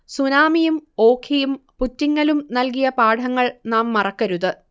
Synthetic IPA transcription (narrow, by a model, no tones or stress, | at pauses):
sunaːmijumo̞ːkʰijumputːiŋːɐlumnɐlkijɐpaːʈʰɐŋːɐɭnaːmːɐrɐkːɐɾuðɨ